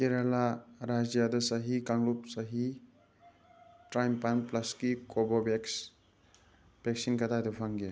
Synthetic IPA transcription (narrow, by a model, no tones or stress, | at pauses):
keɾalaɾad͡ʒjadɐsɐɦikaŋlup̚sɐɦi | tɾajmpanplɐskikɔbɔbeks | b̥eksinkatʰadɔpʰaŋɡe